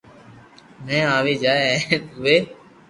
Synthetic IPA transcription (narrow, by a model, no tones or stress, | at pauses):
mɛ̃ːaːʋeːd͡ʒaːẽʊʋeː